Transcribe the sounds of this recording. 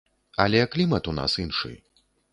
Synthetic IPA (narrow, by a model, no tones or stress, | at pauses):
ɐlʲɛklʲimɐt̪una̰sinʂɨ̰j